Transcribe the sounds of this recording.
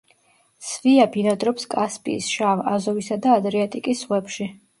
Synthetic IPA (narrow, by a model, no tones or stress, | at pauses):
sviabinad̪ɾɔpskʼaspʼḭːsʃava̰zɔvisad̪aːd̪ɾiat̪ʼikʼisʁwɛpʃi